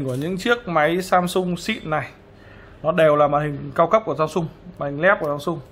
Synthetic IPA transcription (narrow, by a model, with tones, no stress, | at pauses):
ŋku˧˩əɲɨ̰˧˥ŋt͡ɕɨ˦˥ək̚ma˨˦jsaː˧msʊ˧ŋ͡msḭ˧˨nːa˨˩j | nɔ˨˦ɗe˨˩wlaː˨˩maː˨˩nhï˨˩ŋ̟kaː˧wkə˦˥p̚ku˧˩əzaː˧msʊ˧ŋ͡mmaː˨˩hi˨˩ŋ̟lɛ˦˥p̚ku˧˩zaː˧msʊ˧ŋ͡m